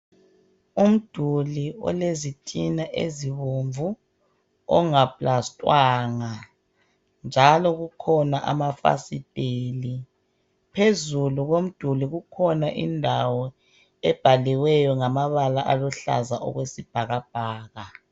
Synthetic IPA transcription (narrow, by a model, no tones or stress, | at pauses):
um̩d̥ʱuliɔ̰lezitʼinaʔeziβoɱvu | ɔ̰ŋapʼlastʼwaːŋa | nd͡ʒʱalɔɣukʰɔnaʔa̰mafa̰sid̥ʱeːli | pʰezuluɣom̩d̥ʱuliɣukʰɔnaʔḭndʱawɔ | ɛb̥ʱaliwɛjɔŋamaβalaʔalɔɬa̰zaʔɔ̰ɣwesib̥ʱaɣab̥̚ʱaːɣa